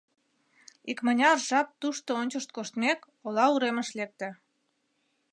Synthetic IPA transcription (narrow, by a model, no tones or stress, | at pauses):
ikmənʲɑrʒɑp̚t̪uʃt̪oonʲt͡ɕəʃt̪̚koʃt̪mek | olɑuɾemə̆ʃlek̚t̪ĕ